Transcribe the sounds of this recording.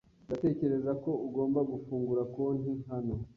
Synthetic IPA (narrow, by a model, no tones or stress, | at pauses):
ndate̞ːce̞ɾe̞zako̞uɡo̞ːmbaɡufuːŋɡuɾakoːniɦano̞